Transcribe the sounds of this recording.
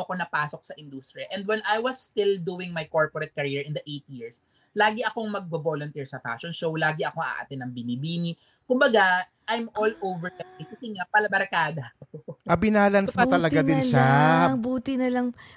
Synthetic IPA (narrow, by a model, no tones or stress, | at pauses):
ɐkonɐpaːsok̚sɐʔɪ̃nd̪uːst̪ɾiɐʔɛnd̪̚wɛnʔajwɐsːt̪ɪld̪uːɪŋmajkoɹpɔɾɛt̪̚kɐɾiːɹɪ̃nd̪ɐʔejt̪jiɹs | laːɡɪʔɐko̞ŋmɐɡ̚bɐboːlont̪iɹsɐfa̰ʃɔnʃowlaːɡɪʔɐko̞ʔa̰ʔa̰t̪ɪnɐŋbɪnibiːni | kʊmbɐɡa | ʔajmʔolʔowvɛɹkɐɪkɐsɪŋapɐlɐbɐɾkaːd̪ɐʔɐbɪnaːlɐnsɐt̪ɐlɐɡad̪ɪnʃaŋbuːt̪ɪnɐlɐŋ